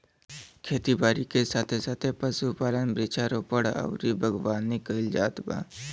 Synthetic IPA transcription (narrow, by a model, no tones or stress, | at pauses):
kʰeːt̪ibaːɾikesaːt̪ʰesaːt̪ʰepəsupaːlənbɾeːt͡ʃʰaɾoːpəɽə̰ʊɾibʱəɡwaːnːɪkəɪld͡ʒaːt̪ba̰ː